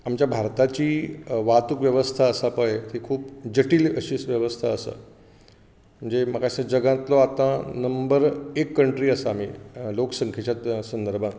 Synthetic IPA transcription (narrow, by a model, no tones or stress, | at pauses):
amt͡ɕjabʱaɾt̪at͡ɕiːʋat̪ukʋjəʋəst̪ʰaəsapəjet̪ʰikʰuːpd͡ʑəʈiːləɕiːsʋjəʋəst̪ʰaəsə̰ | m̤əɳd͡zeməkasə̃d͡ʑəɡãt̪lɔat̪ãnəmbəɾekːəɳʈɾiːəsaam̤ḭːlokə̥səŋkʰjet͡ɕat̪sənd̪əɾbʱãŋ